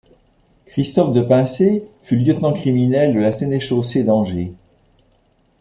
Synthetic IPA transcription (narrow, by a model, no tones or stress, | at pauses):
kχist̪ɔfd̪əpɛ̃sefyljət̪nɑ̃kχiminɛld̪əlasɛneʃosed̪ɑ̃ʒe